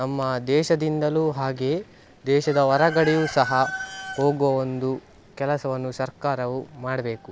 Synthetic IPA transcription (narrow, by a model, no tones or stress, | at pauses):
nɐmːɐd̪ɛːʃɐd̪ind̪ɐluːɦaːɡe̞ː | d̪ɛːʃɐd̪ɐɔɾɐɡɐɽijusɐɦɐhoːɡoond̪u | kɛlɐsɐʋɐnːusɐɾkaːɾɐʋumaːɽɐbe̞ːku